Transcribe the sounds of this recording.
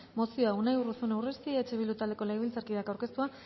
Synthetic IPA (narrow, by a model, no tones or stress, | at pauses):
mo̞sio̞aunajurusunewrest̪iet͡ʃe̞βilut̪ald̪eko̞lajβilt͡saɾkiðakawɾke̞st̪ua